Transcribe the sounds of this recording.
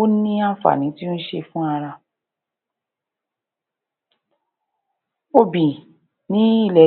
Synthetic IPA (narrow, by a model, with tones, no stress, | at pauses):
o˦nĩ˦a˦˨fa̰˨nĩ˨˦ti˦n̩˦ʃe˧fũ˦a˧ɾa˧ | o˧bĩ˨ | nĩ˨˦i˦˨lɛ˨